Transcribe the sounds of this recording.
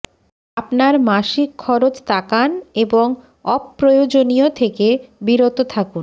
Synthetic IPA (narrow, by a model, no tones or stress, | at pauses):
apnaɾmaʃikʰːɔɾot͡ɕt̪akaneboŋ | ɔpːɾojod͡ʑoniot̪ʰekebiɾot̪ot̪ʰakun